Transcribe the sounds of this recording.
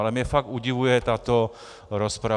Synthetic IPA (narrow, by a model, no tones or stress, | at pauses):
lɛmɲɛfaɡ̪̚uɟiʋujɛt̪at̪o | ɾɔspɾa